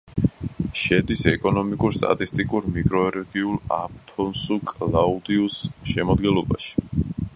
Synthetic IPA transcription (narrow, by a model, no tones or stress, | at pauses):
ʃɛd̪isɛkʼɔnɔmikʼuɾst̪ʼa̰t̪ʼist̪ʼikʼuɾmikʼɾɔɛɾɛɡiulˠa̰pʰɔnsukʼlaud̪iusʃɛmad̪ɡɛnlˠɔba̰ʃi̥